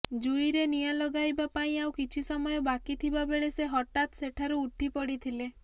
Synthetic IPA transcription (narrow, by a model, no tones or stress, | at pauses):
d͡ʒujɾenijalɔɡajbapaĩawkit͡ʃʰisɔmɔjɔbakit̪ʰibabeɭeseɦɔʈat̪seʈʰaɾuːʈʰipɔɽit̪ʰile